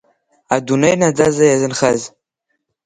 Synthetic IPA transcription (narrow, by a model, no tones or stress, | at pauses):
adunejnad͡zazajazɨnχaz